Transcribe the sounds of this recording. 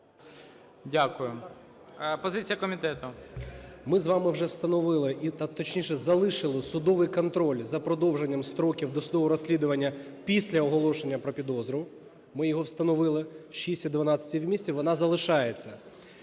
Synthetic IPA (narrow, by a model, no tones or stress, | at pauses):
dʲakʊjʊ | pɔzɪt͡sʲijɐkɔmʲɪt̪ɛt̪ʊ | mɪzʋɑmɪwʒɛwst̪ɐnɔʋɪlˠɪʔit̪t̪ɔt͡ʃnʲiʃɛzɐlˠɪʃɪlˠɪsʊd̪ɔʋɪjkɔnt̪ɾɔlʲzɐpɾɔd̪ɔwʒenʲːɐmst̪ɾɔkʲiwd̪ɔsʊd̪ɔʋɔɾɔsʲlʲid̪ʊʋɐnʲːɐ | pʲisʲlʲɐɔɦɔlˠɔʃenʲːɐpɾɔpʲid̪ɔzɾʊ | mɪjɔɦɔwst̪ɐnɔʋɪlˠɪʃisʲtʲid̪ʋɐnɑt͡sʲɐ̥tʲiwmʲisʲt͡sʲiʋɔnɑzɐlˠɪʃɑjet͡sʲːɐ